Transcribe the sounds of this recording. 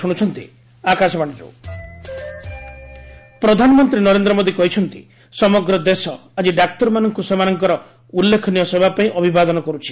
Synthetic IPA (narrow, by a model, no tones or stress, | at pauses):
uɽ̃ut͡ʃʰɔnt̪ḭ | akasɔbaɽ̃ɔd͡ʒṵ | pɾɔd̪ʱanɔmɔnt̪ɾinɔɾend̪ɾɔmod̪ikɔɦit͡ʃʰɔnt̪i | sɔmɔɡɾɔd̪esɔad͡ʒiɖakʈɔɾmanɔŋkusemanɔŋkɔɾɔ | ulːekʰɔnijɔsebʱapaĩʔɔbʱibad̪ɔnɔkɔɾut͡ʃʰi̥